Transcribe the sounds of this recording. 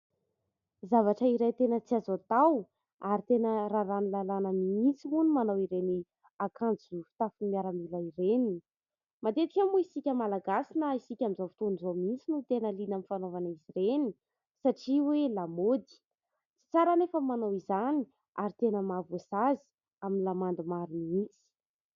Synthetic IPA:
zavaʈ͡ʂəiɾajt̪enət͡siazat̪aw | aɾit̪enəɾaɾanilalanəmiint͡siunimanawiɾeni | akʰand͡zufi̥t̪afimiaɾəmilaiɾeni | mad̪et̪ikʲamuisikʲəmalaɡasinəisikʲamizafit̪onizomint͡sinut̪enəlinamifanovaniziɾeni | saʈ͡ʂiwelamod̪i̥ | t͡si̥t͡saɾanefəmanawizani̥ | aɾit̪enəmavosazi̥ | aminlamand̪umaɾumiint͡si̥

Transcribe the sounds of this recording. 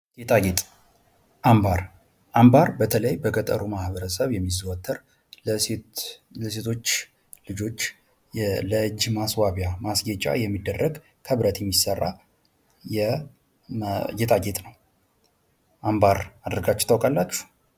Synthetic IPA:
jet̪ʰaɡet̪ʼ | ʔambaɾ | ʔambaɾbət̪ʰələjbəkʼət̪ʼə̰ɾumahbəɾəsəβjɛmːizwət̪ʰːəɾ | ləse̞t̪ʰo̞t͡ʃː | lɨd͡ʒo̞t͡ʃː | jɛləd͡ʒmaswaβjamasɡet͡ʃʼːa̰jɛmːid̪ːərːəɡ | kʰəβɾət̪ʰjɛmːisərːa̰ | jɛ | jet̪ʰʼaɡet̪ʼnəw | ʔambaɾad̪əɾɡat͡ʃːɛ̥t̪ʰəwkʼalːat͡ʃːu̥

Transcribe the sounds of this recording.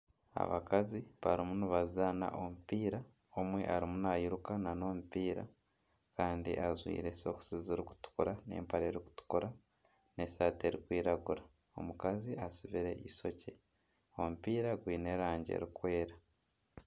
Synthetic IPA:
a̰βa̰kaziβaɾimuniβazana̰ʔomupiːɾa | omwe̞̰ʔaɾimunajiɾukanano̞mupiːɾa̰ | kaːndḭʔazwḭːɾe̞so̞ku̥siziɾiku̥tu̥kuɾane̞̰ːmpaɾeɾiku̥tu̥kuɾa | ne̞saːte̞ɾikwiːɾaɡuɾa | o̞̰mukaziasuβiɾe̞ʔiso̞ce̞ | o̞mupiːɾaɡwiːne̞ɾaːɲɟe̞̰ɾikwe̞ːɾa

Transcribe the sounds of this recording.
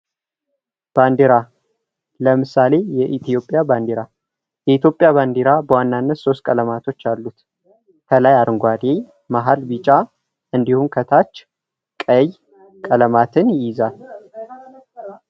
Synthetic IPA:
b̥and̪eɾa | ləmɨsale̞jɛʔit̪ʰjo̞pʼːjaband̪eɾa | jɛit̪jo̞pʼːjaβand̪eɾabəwanːanːət̪so̞st̪̚kʼələmat̪ʰo̞t͡ʃːalːut̪ | kʰəlajaɾɨŋɡʷad̪e | maɦalbit͡ʃʼa | ɨnd̪ihumkʰət̪ʰat͡ʃː | kʼəj | kʼələmat̪ʰɨnjɪzal

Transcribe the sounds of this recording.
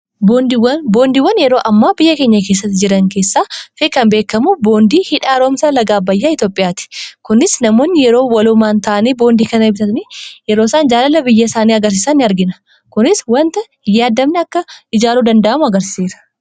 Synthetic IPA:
bond̪wɐnbo̞ːnd̪iːwːɐnjɛɾo̞ːʔɐmːaːbɪjːɐke̞ːɲːɐke̞ːs̬ːɐt̪ːɪd͡ʒɪɾɐŋke̞ːsːaːfeːkːɐnbeːkːɐmubo̞ːnd̪iːhɪᶑaːɾoːmsɐlɐɡaːbɐjːaːɪt̪jo̞ːpʼːɪjaːt̪ɪ̥kʊnɪsnɐmo̞ːnːɪjɛɾo̞ːwɐlʊmaːnt̪aːʔɐneːbo̞ːnd̪iːkɐnɐbɪt̪ɐt̪nijɛɾoːsaːnd͡ʒaːlɐlːɐbɪjːɐsaːniːɐɡɐɾs̬iːsanːɪɐɾɡɪnɐ̥ | kʊnɪswɐnt̪ɐ | ɪjːaːd̪ːɐmnɛɐkːɐɪd͡ʒaːɾuːd̪ɐnd̪ɐʔɐmʊɐɡɐɾsiːɾɐ̥

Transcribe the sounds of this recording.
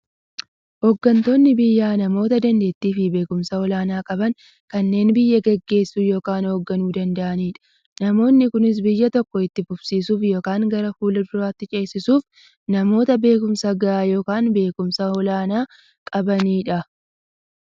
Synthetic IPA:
hɔɡːɐnt̪o̞ːnːɪbɪjːaːnɐmo̞ːt̪ɐd̪ɐnd̪e̞ːt̪ːiːfɪbe̞ːkʊmsɐɔlaːnaːkʼɐbɐŋ | kɐnːe̞ːnbɪjːɐɡɛɡːe̞ːsːuːjo̞ːkaːnhoːɡːɐnuːd̪ɐnd̪ɐʔɐniːᶑɐ̥ | nɐmo̞ːnːɪkʊnɪs̬bɪjːɐt̪ɔkːɔɪt̪ːɪfʊb̥siːsuːfjo̞ːkaːŋɡɐɾɐfuːlɐd̪ʊɾaːt̪ːɪt͡ʃʼe̞ːsːɪsuːf | nɐmo̞ːt̪ɐbe̞ːkʊmsɐɡɐʔaːjo̞ːkaːnbe̞ːkʊmsɐɔlaːnaː | kʼɐbɐniːᶑɐ

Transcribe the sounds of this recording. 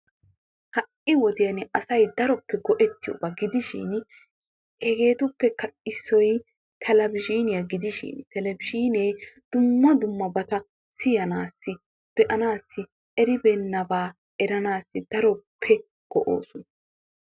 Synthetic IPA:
hɐʔɪwɔd̪ɪjɐnʔɐsɐjd̪ɐɾɔpːɛɡɔʔɛt̪ːɪjɔ̰bɐɡɪd̪ɪʃɪ̰n | hɛɡe̞ːt̪ʊpːɛkɐʔɪsːɔj | t̪ʰɛlɐbɪʃiːnɪjɐɡɪd̪ɪʃɪ̰nt̪ɛlɛbɪʃiːnejd̪̥ʊmːɐd̪ʊmːɐbɐt̪ɐ | sɪjɐnaːsːɪ | b̥ɛʔɐnaːsːɪ | ʔɛɾɪbɛnːɐbaː | ʔɛɾɐnaːsːɪd̪̥ɐɾɔpʰːɛ | ɡ̥ɔʔo̰ːsʊnɐ

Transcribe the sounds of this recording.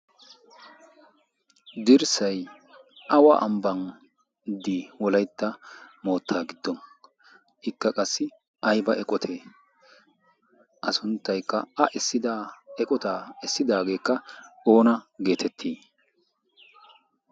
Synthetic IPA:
d̪ɪɾsɐj | ʔɐwaʔɐmbɐn | d̪iːwɔlɐjt̪ːɐmo̞ːt̪ʰːaːɡɪd̪ːɔn | ʔɪkːɐkʼɐsːɪ | ʔɐjbɐʔɛkʼɔt̪ʰeː | ʔɐsʊnt̪ːɐjkːɐɐʔɛsːɪd̪ɛkʼɔt̪aːɛsːɪd̪aːɡe̞ːkːɐo̞ːnɐɡe̞ːt̪ʰɛt̪ʰːiː

